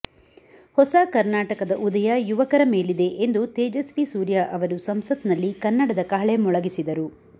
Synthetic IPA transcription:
hɔsakɐɾnaːʈɐkɐd̪ɐʔud̪ɐjɐjuʋɐkɐɾɐme̞ːlid̪e̞ʔend̪ut̪eːd͡ʒɐsʋisuːɾjaʔɐʋɐɾusɐmsɐt̪nɐlːikɐnːɐɽɐd̪ɐkaːɭemɔɭɐɡisid̪ɐɾu

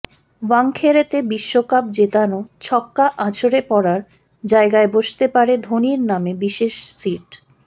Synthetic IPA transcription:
waŋkʰeɾet̪ebiʃːokap̚d͡ʑet̪anot͡ɕʰɔkːaʔãt͡ɕʰoɾepɔɾaɾ | d͡ʑaeɡaeboʃt̪epaɾed̪ʱoniɾnamebiʃeʃsiʈ

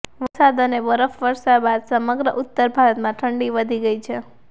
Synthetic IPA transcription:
ʋəsad̪ənebəɾəfʋəɾʃabad̪səməɡɾəʔut̪ːəɾbʱaɾət̪mãʈʰəɳɖiʋəd̪ʱiɡəit͡ʃʰe

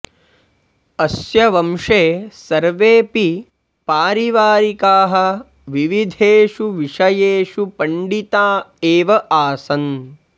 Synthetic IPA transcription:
ɐsjɐʋɐmʂeːsɐɾʋeːpi | paːɾiʋaːɾikaːɦɐ | ʋiʋid̪ʱeːʂuʋiʂɐjeːʂupɐɳɖit̪aːeːʋɐʔaːsɐn

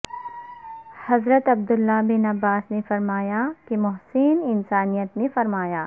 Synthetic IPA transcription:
hɐzɾət̪ɐb̚d̪ʊlːabɪnɐʋːaːsnefɐɾmaːjakemʊɦsinɪnsaːnijət̪nẽfɐɾmaːjaː

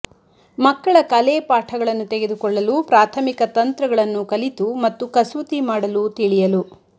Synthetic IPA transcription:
mɐkːɐɭɐkɐleːpaːʈʰɐɡɐɭɐnːut̪eɡed̪ukɔɭːɐlupɾaːt̪ʰɐmikɐt̪ɐnt̪ɾɐɡɐɭɐnːukɐlit̪umɐt̪ːukɐsɐt̪imaːɽɐlut̪iɭijɐlu

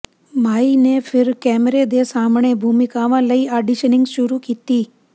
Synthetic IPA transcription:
maːinefʰɪɾkɛːmɾed̪esaːmɳ̃ebʱuːmɪkaʋãləiːaɖiʃənɪ̃ŋɡʃʊɾukit̪iː

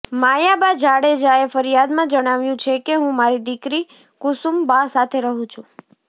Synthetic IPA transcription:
majabad͡ʒaɽed͡ʒaefəɾijad̪mãd͡ʒəɽ̃aʋjũt͡ʃʰekeɦũmaɾid̪ikɾi | kʊsumbasat̪ʰeɾəɦũt͡ʃʰũ

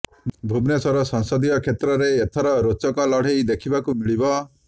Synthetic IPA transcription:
bʱubnesɔɾɔsɔŋsɔd̪ijɔkʰet̪ɾɔɾeːt̪ʰɔɾɔɾot͡ʃɔkɔlɔɽ̤ejd̪ekʰibakumiɭibɔ

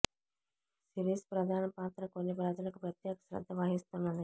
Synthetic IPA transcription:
siɾiːspɾɐd̪ʱaːnɐpaːt̪ɾɐkonːipɾaːd͡ʒ̪ɐlɐkupjɐt̪jeːkɐ̥sɾɐ̰d̪ʱːɐʋaːɦist̪unːɐnd̪i

